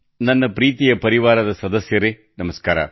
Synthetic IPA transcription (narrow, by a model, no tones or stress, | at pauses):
nɐnːɐpɾiːt̪ɪjɐpɐɾɪʋaːɾɐðɐsɐðɐsɪjɐɾe | nɐmɐskaːɾa̰